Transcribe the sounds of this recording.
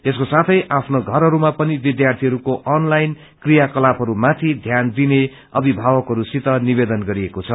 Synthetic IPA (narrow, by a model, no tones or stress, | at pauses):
eskosat̪ʰʌjʔapʰnoɡʱʌɾɦʌɾumapʌnibid̪jart̪ʰiɦʌɾukoʔʌnlajn | krijakʌlapʰʌɾumat̪ʰid̪ʱjand̪ine | ʌbʱibʱawʌkɦʌɾusit̪ʌnibed̪ʌnɡʌɾiekot͡sʰʌ